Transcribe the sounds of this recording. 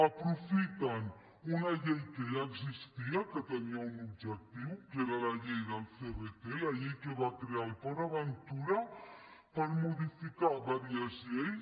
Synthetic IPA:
apɾofit̪an | unaʎejkejaɡzist̪iaket̪ameaunub̚d͡ʒɛk̚t̪iwkeɾalaʎejd̪alseβet̪elaʎejkeβakɾealpaɾaβant̪uɾa | paɾmod̪ifikaβaɾiazjej

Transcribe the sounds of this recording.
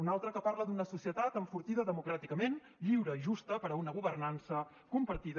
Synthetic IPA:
unalˠt̪ɾəkəpaɾləd̪unəsusiət̪at̪əɱfuɾt̪iðəðəmukɾat̪ikəmen | ʎiwɾəiʒust̪əpəɾəunəɣ̞uβərnansə | kumpəɾt̪ið

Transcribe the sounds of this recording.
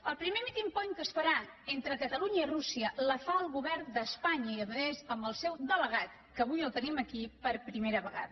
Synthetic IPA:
əlˠpɾimemit̪impɔɲkəsfəɾaent̪ɾəkət̪əluɲəirusiələfaəlˠɣuβɛrnd̪əspaɲəiəβəðezəmbəlˠsɛwd̪ələɣat̪̚ | kəβujəlˠt̪əniməkipəɾpɾimeɾəβəɣa̰ðə

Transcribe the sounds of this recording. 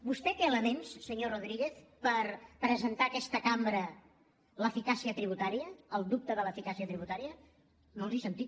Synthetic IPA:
bust̪ɛk̪ɛələmenssəɲoroðɾiɣeθpəɾpɾəzənt̪aəkɛst̪əkambɾə | ləfikasiət̪ɾiβ̞ut̪aɾiəːlˠd̪up̚t̪əðələfikasiət̪ɾiβut̪aɾiə | nolˠzisənt̪it̪̚

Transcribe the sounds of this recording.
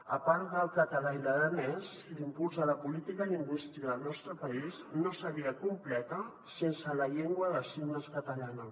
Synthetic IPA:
əpaɾt̪d̪əlˠkət̪əlailəðənɛz | limpulˠzələpulit̪ikəind̪ust̪ɾiəðəlˠnɔst̪ɾəpəisznosəɣiəkumplɛt̪ə | sensələʎeŋɡwəðəsiwnəskət̪əlanə

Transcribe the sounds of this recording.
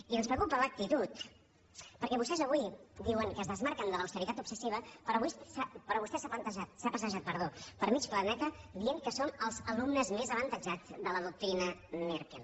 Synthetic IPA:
iənspɾəkupələk̚t̪it̪ut̪ | pəɾkɛβust̪ɛzəβuid̪iwəŋkəzðəzmaɾkənd̪ələwst̪əɾit̪at̪upsəsiβ̞əpɾɔβussapəɾɔβust̪ɛsaβənt̪əʒat̪sapəsəʒat̪̚pəɾð̞opəɾmit͡ʃplənɛt̪əd̪iəŋkəsoməlˠzəlumnəzmezəβənt̪əd͡ʒad͡zd̪ələðuk̚t̪ɾinəneɾkin

